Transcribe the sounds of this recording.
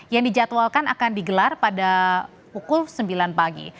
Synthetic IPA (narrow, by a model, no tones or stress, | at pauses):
jaŋdid͡ʒat̪walkana̰kandiɡəlarpada | pukʊlsəmbilanpaɡḭ